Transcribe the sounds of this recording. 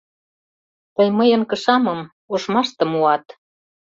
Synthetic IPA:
t̪ə̆jməjə̆nkə̆ʃɑmɤ̆m | uʃmɑʃt̪ɤ̆muɑt̪

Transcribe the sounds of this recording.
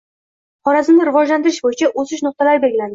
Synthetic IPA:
χɒɾazɪmnɪɾɪvɒd͡ʒlant̪ɪɾɪʃbojɪt͡ʃʰaʔosɪʃnʊq̚t̪ʰalaɾɪbe̞lɡʲɪland̪ɪ

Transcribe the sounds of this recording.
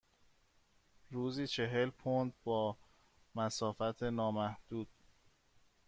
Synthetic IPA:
ɾuːziːt͡ʃʰe̞ɦe̞lpʰond̪̚bɒː | mæsɒːfæt̪ʰenɒːmæhd̪̥uːd̪̥̚

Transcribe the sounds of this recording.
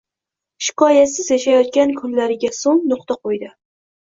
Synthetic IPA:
ʃɪ̥kʰɒjasɪzjaʃajɒt̪̚kʲankʰʊlːaɾɪɡʲasoŋnʊqt̪aqʰojd̪ɪ

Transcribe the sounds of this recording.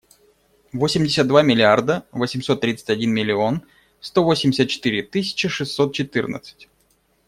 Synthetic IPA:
vosʲɪmʲdʲɪsʲət̪̚d̪vamʲɪlʲɪard̪əvosʲɪmso̞t̪ːɾʲit̪sə̥tʲɐdʲinmʲɪlʲɪo̞n | st̪o̞vosʲɪmʲdʲɪsʲət̪̚t͡ɕːɪ̥t̪ɨɾʲɪt̪ɨsʲɪ̥t͡ɕɪʂɨsːo̞t̪̚t͡ɕɪt̪ɨrnə̰t̪sɨ̥tʲ

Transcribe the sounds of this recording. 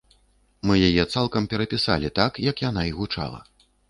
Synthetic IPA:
mɨjajɛt̪salˠkɐmpʲɛɾɐpʲisa̰lʲit̪akjɐkjanaiɣut͡ʂa̰lˠɐ̰

